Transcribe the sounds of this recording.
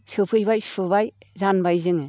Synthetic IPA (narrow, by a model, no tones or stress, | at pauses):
sɯpʰɯjbajsubaj | zanbajzɯŋɯ